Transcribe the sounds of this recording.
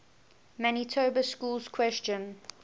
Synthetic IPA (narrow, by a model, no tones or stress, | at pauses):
manitʰoːbəskuːlz̥kʰw̥ɛst͡ʃə̃n